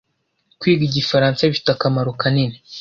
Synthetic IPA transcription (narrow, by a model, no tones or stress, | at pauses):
kwiːɡiɟifaɾaːnsaβifi̥takamaɾokanini